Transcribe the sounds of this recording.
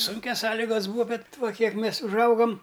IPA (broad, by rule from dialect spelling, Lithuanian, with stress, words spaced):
ˈsʊŋʲkʲɛs ˈsɑːlʲɪɡɐs ˈbuːɐ ˈbʲɛt ˈʋɐ ˈkʲiɛk ˈmʲeːs ʊʒˈɐʊɡɐm